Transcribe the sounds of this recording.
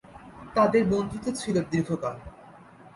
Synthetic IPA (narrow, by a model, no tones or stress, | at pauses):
t̪ad̪eɾbond̪ʱit̪ot͡ɕʰilod̪iɾɡʰʱokal